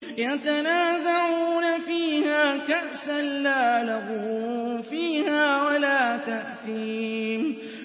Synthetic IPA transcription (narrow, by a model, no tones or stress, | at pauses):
jat̪anaːzaʕuːnafiːhaːkaʔsanlaːlɑɣufiːhaːwalaːt̪aʔθiːm